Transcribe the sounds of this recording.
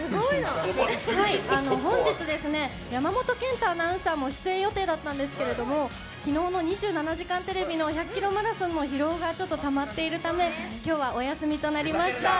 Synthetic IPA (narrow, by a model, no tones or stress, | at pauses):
ɡo | haianoɦõ̞ɲ̟d͡ʑit͡sɨd̪e̞sɨne̞ | jamamo̞t̪o̞kẽ̞nt̪aːnaɯ̟̃samːo̞ɕi̥t͡sɨẽ̞ɰ̃jo̞t̪e̞ːd̪at̪ːãnd̪e̞s̬ɨ̥ke̞ɾe̞d̪o̞mo̞ | kʲino̞ːno̞ɲ̟iʑɨːnanaʑikãnt̪e̞ɾe̞bʲino̞çʲakːʲiɾo̞maɾasɨ̃nːo̞çiɾo̞ːɡat͡ɕo̞t̪ːo̞t̪amat̪ːe̞iɾɯ̟t̪ame̞kʲo̞ːβaʔo̞jasɨmʲit̪o̞naɾʲimaɕɕi̥t̪a